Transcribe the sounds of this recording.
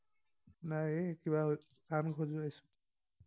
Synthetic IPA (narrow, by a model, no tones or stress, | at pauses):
najekibakankʰozʊajsʊ̥